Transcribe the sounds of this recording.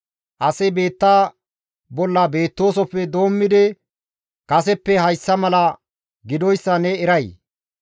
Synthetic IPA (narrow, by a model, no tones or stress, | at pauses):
ʔɐsɐjbe̞ːt̪ːaː | bɔlːɐbe̞ːt̪ːo̞ːsɔpːɛd̪o̞ːmːɪd̪ɪ | kɐsɛpːɛhɐjsːɐmɐlɐ | ɡɪd̪ɔjsːɐnɛɪɾɐj